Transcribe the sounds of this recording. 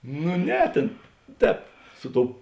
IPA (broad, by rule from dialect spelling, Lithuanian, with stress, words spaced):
nʊ ˈnʲɛ ˈtʲeːn ˈtʲɛːp ˈsʊ ˌtoːʊ